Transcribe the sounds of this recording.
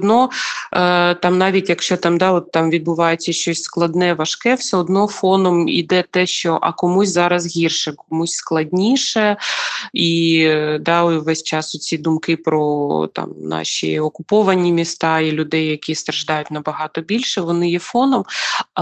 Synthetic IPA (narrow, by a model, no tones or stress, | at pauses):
d̪nɔ | t̪ɑmnɑʋʲitʲjɐkʃt͡ʃɔt̪ɑmd̪ɑɔt̪ːɑmʋʲid̪̚bʊʋɑjʊt͡sʲːɐʃt͡ʃɔsʲsklˠɐd̪nɛʋɐʃkɛwsʲɛɔd̪nɔfɔnɔmḭd̪ɛt̪ɛʃt͡ʃɔʔɐ̰kɔmusʲzɑɾɐzɦʲirʃɛkɔmusʲsklˠɐdʲnʲiʃɛ | id̪ɑʋɛsʲt͡ʃɑsɔt͡sʲid̪ʊmkɪpɾɔt̪ɑ̰mnɑ̰ʃʲḭɔkʊpɔʋɐnʲimʲist̪ɑilʲʊd̪ɛjːɐkʲist̪ɾɐʒd̪ɑjʊtʲnɐbɐɦɑt̪ɔbʲilʲʃɛʋɔnɪjɛfɔnɔm